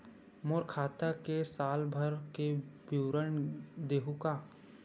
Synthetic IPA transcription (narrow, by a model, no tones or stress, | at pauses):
moɾkʰaːt̪akesaːlbʱəɾkebuwɾəɳd̪eːɦukaː